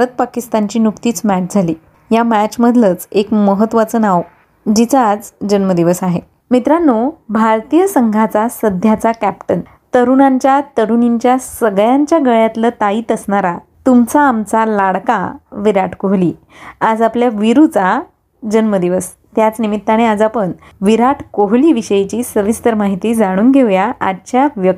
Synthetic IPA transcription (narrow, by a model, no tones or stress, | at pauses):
ət̪̚pakist̪aɲt͡ɕiːnukt̪iːt͡smæʈ̚d͡zʱaliː | jamæt͡ɕməd̪ʱlət͡sekməɦət̪ːʋat͡sənaw | d͡ʑit͡sad͡zd͡ʑənməd̪iʋəsaɦe | mit̪ɾanːobʱaɾt̪ijəsəŋɡʱat͡sasəd̪ʱjat͡sakæpʈən | t̪əɾunaɲt͡ɕjat̪əɾuniɲt͡ɕjasəɡjãɲt͡ɕjaɡəɭjat̪lət̪aiːt̪əsɳaɾa | t̪umt͡saːmt͡salaɽka̰ʋiɾaʈʰkoɦliː | ad͡zapljaʋiɾut͡sa | d͡ʑənməd̪iʋəs | t̪jat͡snimit̪ːaɽ̃ead͡zapəɳ | ʋiɾaʈʰkoɦliːʋiɕəjit͡ɕiːsəʋist̪əɾmaɦit̪iːd͡zaɽ̃uːnɡʱeʋjaat͡ɕjaʋjək